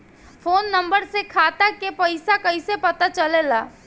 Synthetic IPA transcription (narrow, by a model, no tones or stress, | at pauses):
foːnːɐ̃mbəɾsekʰaːt̪akepɐɪsakɐɪsepɐt̪at͡ʃɐlelaː